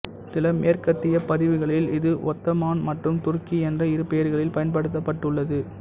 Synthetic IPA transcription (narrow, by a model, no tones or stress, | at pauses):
sɪlɐmeːrkɐt̪ːɪjɐpɐðɪʋɯɣɐɭɪlɪðɯʔɔt̪ːɐmaːnmɐʈrɯmt̪ʊrkiɛndrɐɪɾɯpːejɐɾɣɐɭɪlpɐjɐnpɐɽɯt̪ːɐpːɐʈːɯɭːɐðɯ